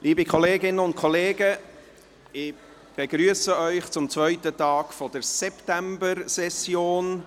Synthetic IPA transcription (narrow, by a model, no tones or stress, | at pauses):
lʔiːbikʰɔleːɡɪnəʊnt̚kʰɔleːɡə | ɪ | b̥eɡɾyəsəœʏχt͡sʊmt͡svœʏtətɑːɡ̥fɔd̥əɾsɛpt̪æmbəɾsɛsjoːn